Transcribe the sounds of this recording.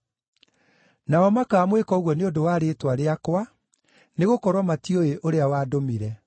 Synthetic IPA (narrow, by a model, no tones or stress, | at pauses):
naɔmakaːmwekɔoɣwɔneondowaːɾeːtwaɾeakwa | neɣokɔɾwɔmatioeʔoɾeawaːdomiɾɛ